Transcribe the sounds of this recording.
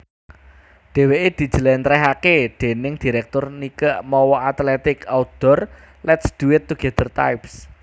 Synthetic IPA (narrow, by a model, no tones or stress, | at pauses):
d̥e̤weʔed̪̥i̤̥d͡ʒ̥ə̤lɛnt̪ɾɛɦakeɖ̪̥e̤nɪŋd̪̥i̤ɾɛk̚t̪ʊrnikəʔmɔwɔʔat̪lɛt̪ɪkaud̪̥ɔ̤r | lɛt̪sd̪̥uɪt̪ːuɡ̥ɛd̪ərt̪a̰jps